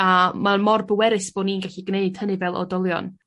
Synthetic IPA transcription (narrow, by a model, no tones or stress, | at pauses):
amamɔrbəwɛɾɨsb̥oːdniːnɡaɬiɡneɨd̥hənɨvɛlˠʔɔ̰dɔlˠjɔ̰n